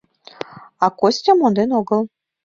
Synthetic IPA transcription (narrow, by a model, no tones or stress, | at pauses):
ɑkosʲt̪ʲɑmond̪enoɡɤ̆lˠ